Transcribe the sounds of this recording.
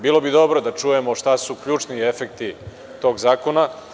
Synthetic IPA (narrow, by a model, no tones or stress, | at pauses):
biːlˠo̞bid̪o̞bɾod̪at͡ʂujemo̞ʂt̪asukʎuːt͡ʂniefek̚t̪i | t̪o̞ːɡzaːkona